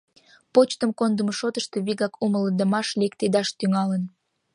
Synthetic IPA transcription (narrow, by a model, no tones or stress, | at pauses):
pot͡ɕt̪əmkond̪əməʃot̪əʃt̪e̽βiɣɑkumələnd̪ə̆mɑʃlekt̪ed̪ɑʃt̪yŋɑlən